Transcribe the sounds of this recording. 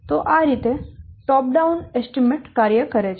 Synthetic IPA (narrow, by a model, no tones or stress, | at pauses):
t̪oʔaɾit̪eʈɔp̚ɖaunesʈimeʈkaɾjəkəɾet͡ʃʰ